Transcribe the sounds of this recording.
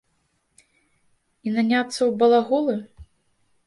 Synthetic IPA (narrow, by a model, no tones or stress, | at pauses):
inanʲat̪sːɐwbɐlˠaɣɔlˠɨ